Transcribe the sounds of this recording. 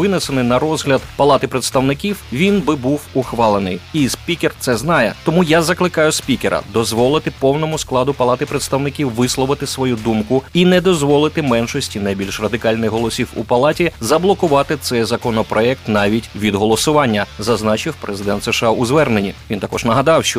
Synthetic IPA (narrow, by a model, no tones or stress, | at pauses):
ɪnesenɪnɐrɔzɦlʲɐd̪pɐlˠɑt̪ɪpɾet̪st̪ɐwnɪkʲiwʋʲinbɪbuwʊxʋɑlˠenɪjisʲpʲikʲert̪sɛznɑjɛt̪ɔmujazɐklˠɪkɑjʊsʲpʲikʲeɾɐ̰d̪ɔzʋɔlˠɪt̪ɪpɔwnɔmʊsklˠɑd̪ʊpɐlˠɑt̪ɪpɾet̪st̪ɐwnɪkʲiwːɪslˠɔʋɪt̪ɪsʋɔjud̪umkʊinɛd̪ɔzʋɔlˠɪt̪ɪmɛnʃɔsʲtʲinɐjbʲilʲʃrɐd̪ɪkɑlʲnɪxɦɔlˠɔsʲiwṵpɐlˠɑtʲizɐblˠɔkʊʋɑt̪ɪt̪sɛjzɐkɔnɔpɾɔɛk̚t̪nɑʋʲitʲʋʲid̪ɦɔlˠɔsʊʋɑnʲːɐzɐznɑt͡ʃɪwpɾezɪd̪ɛnt̪seʃɑʊzʋɛrnenʲiint̪akɔʒnɐɦɐd̪ɑwʃt͡ʃɔ